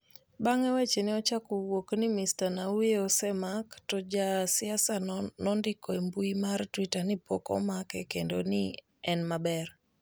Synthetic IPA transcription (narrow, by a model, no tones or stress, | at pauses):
baŋɛwɛt͡ʃenɪɔt͡ʃakuwoknimistanaujeɔsɛmaktɔd͡ʒasiasanɔndikɔembuimartwitanipokɔ̰makɛkendoni | ɛnmabɛr